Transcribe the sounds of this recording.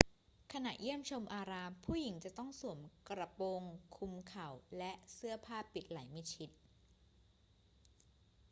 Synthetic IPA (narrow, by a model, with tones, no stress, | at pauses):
kʰa˧na˨˩ʔji˥˩əmt͡ɕʰo˧mʔaː˧ɾaː˧mpʰuː˥˩ji˩˦ŋt͡ɕa˨˩t̪ɔ˥˩ŋsu˨˩˦mkɾa˧po˧ŋkʰu˧mkʰa˨˩wlɛ˦˥ʔsɯ˥˩ɐpʰaː˥˩pːi˨˩t̪̚la˩˦jma˥˩jt͡ɕʰi˦˥t̪̚